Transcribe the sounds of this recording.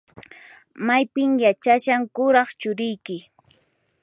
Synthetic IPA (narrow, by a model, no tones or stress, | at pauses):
majpɪmjat͡ʃaʃaŋkʊɾɑχt͡ʃʊɾɪjkɪ